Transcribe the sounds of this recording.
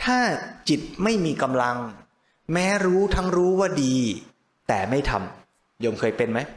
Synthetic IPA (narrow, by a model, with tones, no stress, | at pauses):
t̪ʰaː˥˩t͡ɕi˨˩t̪̚ma˥˩jmiː˧ka˧mla˧ŋ | mɛː˦˥ɾuː˦˥t̪ʰa˦˥ŋɾuː˦˥waː˥˩diː˧ | t̪ɛ̰ː˨˩ma˥˩jt̪ʰa̰˧m | joː˧mkʰɤː˧jpe˧nma˦˥j